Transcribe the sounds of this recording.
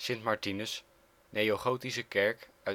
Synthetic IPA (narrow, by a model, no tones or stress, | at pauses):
sɪntmɑɹtinəs | nejoχowtisəkɛɹk | œ